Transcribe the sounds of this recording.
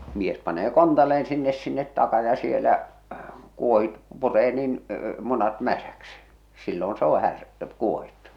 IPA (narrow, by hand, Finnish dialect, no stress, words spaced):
mies pɑneː kontɑlːeen sinːes sinːet tɑkɑ jɑ sielæ kuohit pureː niːn munɑt mæsæksi silːon s oː hær kuohitːu